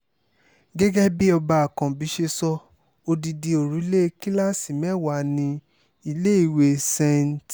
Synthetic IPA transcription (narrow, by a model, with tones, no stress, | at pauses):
ɡɛ˦ɡɛ˦bi˦ɔ˧ba˧a˨kã˨bi˨˦ʃe˧sɔ˦ | o˧di˧di˧o˨ɾu˨˦le˦ki˦la˦si˨mɛ̃˦wa˨nĩ˧ | i˧le˦i˦˨we˧sɛ̃˧n˨˦t